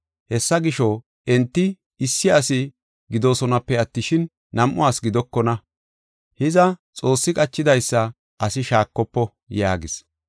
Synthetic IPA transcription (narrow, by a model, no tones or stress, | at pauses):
hɛsːɐɡɪʃɔ | ɛnt̪ːɪ | ɪsːɪɐsɪ | ɡɪd̪oːsɔnɐpːɛɐt̪ːɪʃɪnː | ɐmʔʊaːsɡɪd̪ɔkːɔnɐ | hɪzɐt͡sʼo̞ːsːɪkʼɐt͡ʃːɪd̪ɐjsːɐ | ʔɐsɪʃaːkːɔpːɔ | jaːɡɪs